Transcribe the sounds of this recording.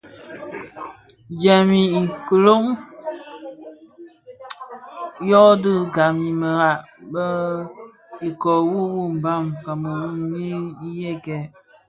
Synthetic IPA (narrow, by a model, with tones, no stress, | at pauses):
d͡ʒɛ˨mi˨i˨kə˨lo˦ŋ | jɔ˦dɨ˦˨ɡa˨mi˨mə˨ɣa˨ʔbə˦ | i˨kɔ˨wu˦wu˦˨m̩˨ba˦˨mka˨mə˨wu˦mɲi˦i˦jɛ˦kɛ˨